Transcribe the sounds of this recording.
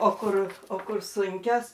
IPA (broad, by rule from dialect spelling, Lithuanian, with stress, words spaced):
oː ˈkʊr oː ˈkʊr ˈsʊŋʲkʲoːs